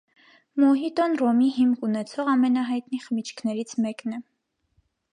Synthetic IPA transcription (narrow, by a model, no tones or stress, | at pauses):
mɔɦit̪ɔnrɔmiɦimkunɛt͡sʰɔʁɑmɛnɑɦɑjt̪niχəmit͡ʃʰkʰnɛɾit͡sʰmɛknɛ